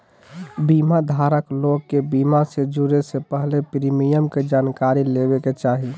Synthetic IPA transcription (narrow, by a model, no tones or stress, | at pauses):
bimad̪ʱaɾəkloɡ̚kːebimased͡ʒuɾesepəɦlepɾimijəmked͡ʒankaɾilebeket͡ʃaɦi